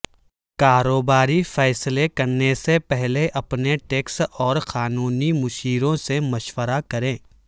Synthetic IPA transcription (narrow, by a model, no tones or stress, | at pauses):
kaːɾoːbaːɾifɛːslekɐɾnesepɛɦleʔɐpneʈeːksɔːɾxaːnuːnimʊʃiːɾõsemɐʃwəɾakɐɾẽː